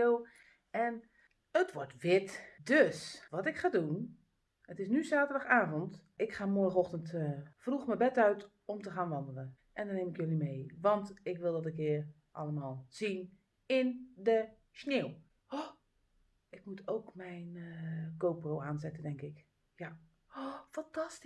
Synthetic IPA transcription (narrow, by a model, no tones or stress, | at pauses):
w | ɛn | ətʋɔrtʋɪtdøsʋɔtɪkχaːdun | ətɪsnyzaːtədɔxaːvənt | ɪkxaːmoəɔxtəntfruxməbɛtœɥt | ɔmtəxaːnʋɑndələn | ʔɛndɔnːeːmɪkjølimejʋɑntɪkʋɪlˠdɔtəkɪər | ʔɑ̰lˠəmaːlˠz̥in | ɪndə | snew | ʔɪk̚mutʰowkmɛjnkowpowaːnzɛtədɛŋkɪk | ja | fantast